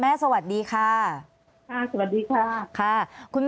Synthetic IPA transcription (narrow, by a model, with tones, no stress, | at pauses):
mɛː˥˩sa˧wa˨˩t̪̚diː˧kʰaː˧˥˩ | kʰa˥˩sa˧˩wa˨t̪̚diː˧kʰaː˥˩kʰa˥˩kʰu˧nm